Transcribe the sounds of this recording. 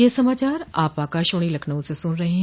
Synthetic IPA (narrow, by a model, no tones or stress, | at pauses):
jesɐmaːt͡ʃaːɾaːpaːkaːʃʊɽ̃ilɐkʰnəũsesʊnɾɐɦeɦɛ̃